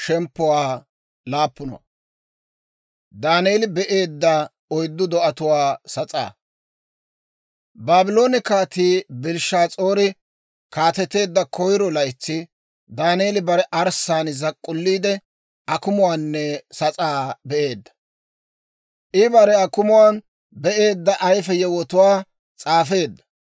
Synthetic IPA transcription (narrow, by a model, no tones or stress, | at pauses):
ʃɛmpːʊwaː | laːpːʊnɐ̰ | d̪aːneːlɪbɛʔe̞ːd̪ːɐ | ɔjd̪ːʊd̪ɔɐt̪ʊwaːsɐt͡sʼa̰ː | baːbɪlo̞ːnɪkaːt̪iːbɪlʃaːt͡sʼoːɾɪ | kaːt̪ɛt̪ːe̞ːd̪ːɐkʰɔjɾɔlɐjt͡sːɪ | d̪aːneːlɪbɐɾɛʔɐɾsaːnzɐkʼːʊlːiːd̪ɛ | ʔɐkʊmʊwaːnːɛsɐt͡sʼaːbɛʔe̞ːd̪ːɐ̥ | ʔɪbɐɾɛɐkʊmʊwaːn | bɛʔe̞ːd̪ːɐʔɐjfɛjɛwɔt̪ʊwaː | t͡sʼaːfe̞ːd̪ːɐ̥